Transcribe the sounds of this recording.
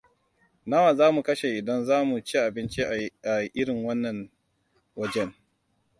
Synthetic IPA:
na˦wa˨zaː˦mu˨kɐ˦ʃe˨ʔɪ˨dɐ˦nzaː˦mu˨t͡ʃi˦ʔa˨bɪ˦nt͡ʃi˦ʔaa˨ʔɪ˦ɽɪ˨ŋwɐ˦nːɐ˨n | wɐ˦d͡ʒɛ˦n

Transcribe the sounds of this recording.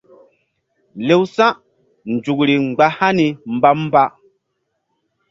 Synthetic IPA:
le˨wsã˦ʔ | n˨d͡ʒu˨kɾi˨ŋ͡mɡ͡ba˨ha˦ni˨m˨ba˦m˦ba˦

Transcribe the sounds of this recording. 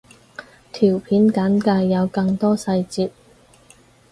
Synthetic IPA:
t̪ʰiː˨˩wpʰiː˨˥nkɐ˨˥nkaː˧jːɐ˨˧wkɐ˧ŋt̪ɔː˥sɐ˧jt͡siː˧t̚

